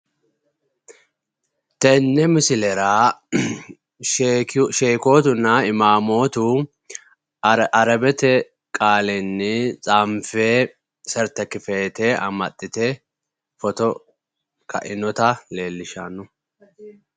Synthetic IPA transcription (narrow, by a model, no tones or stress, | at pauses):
t̪ɛnːɛmɪsɪlɛɾaː | ʃeːko̞ːt̪ʊnːɐɪmaːmo̞ːt̪u | ɐɾɐbɛt̪ɛ | kʼaːlɛnːɪt͡sʼaːmfeː | sɛɾt̪ɐkɪfeːt̪ɛʔɐ̰mɐt̪ʼːɪt̪ɛ | fɔt̪ɔ | kɐ̰ʔɪnɔt̪ɐle̞ːlːɪʃa̰nːʊ